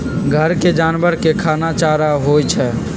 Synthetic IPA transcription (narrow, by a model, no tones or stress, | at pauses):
ɡʱəɾked͡ʒanbəɾkekʰanat͡ʃaɾaɦojt͡ʃʰɛ